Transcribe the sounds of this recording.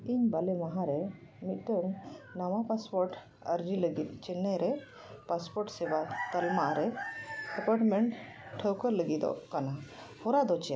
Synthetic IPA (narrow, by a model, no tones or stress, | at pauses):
iɲbalɛmaɦãɾɛ | mit̪̚ˀʈ̪əŋnamapaspɔɾʈ | əɾd͡ʒiləɡit̪̚ˀt͡ʃɛnɛɾɛ | paspɔɾʈsɛbat̪əlmaɾɛɛpaʈmɛɳʈʈʰːəwkəɾləɡid̪ɔ̰kana | hɔɾad̪ɔt͡ʃɛja̰